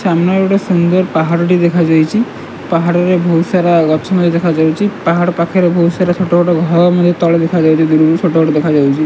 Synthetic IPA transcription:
samnaoʈɔsund̪ɔɾpaɦaɽʈid̪ekʰad͡ʒajt͡ʃʰi | paɦaɽɔɾebʱowsaɾaɡɔʃʰɔmɔd̪ʱed̪ekʰad͡ʒawt͡ʃʰipaɦaɽpakʰeɾebʱowsaɾat͡ʃʰoʈɔɡoʈɔɡʱɔɔmɔd̪ʱjet̪ɔled̪ekʰad͡ʒawt͡ʃʰid̪uɾɾut͡ʃʰoʈɔɡʱɔʈɔd̪ekʰad͡ʒawt͡ʃʰi

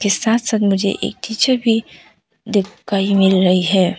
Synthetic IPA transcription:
kesaːt̪ʰsaːt̪mʊd͡ʒʱḛʔḛːk̚t̪it͡ʃʰabʱi | d̪ɪkʰːaːimɪlɾəiɦɛː

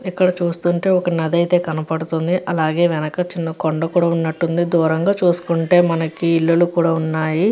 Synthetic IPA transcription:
ikːɐɽɐt͡ʃuːst̪uːɳʈe̞ːɔkɐnɐd̪ɐjt̪e̞ːkɐnɐpɐɽut̪und̪iʔɐlaːɡe̞ːʋɛnɐkɐt͡ʃinːɐkoɳɖɐkuːɽaːunːɐʈːund̪id̪uːɾɐŋɡaːt͡ʃuːsu̥kuɳʈe̞ːmɐnɐkiːɭːɐlukuːɽaːunːaːji

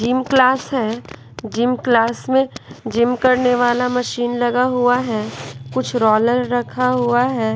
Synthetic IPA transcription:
d͡ʒimklaːsɦɛː | d͡ʒɪmklaːsmẽd͡ʒɪmkɐɾneʋaːlamɐʃiːnlɐɡaɦuaɦɛːkʊt͡ʃʰɾɔːləɾːɐkʰaɦuaɦɛː

